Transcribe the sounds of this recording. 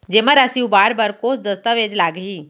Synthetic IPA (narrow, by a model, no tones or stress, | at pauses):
d͡ʑemãɾasiubaːɾbaɾkoːsd̪əst̪əʋeːd͡ʒlaːɡɦiː